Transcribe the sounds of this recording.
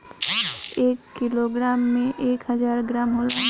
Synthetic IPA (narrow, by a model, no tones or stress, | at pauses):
eːkːiloɡɾamːẽʔeːkɦəd͡ʒaːɾɡɾamɦola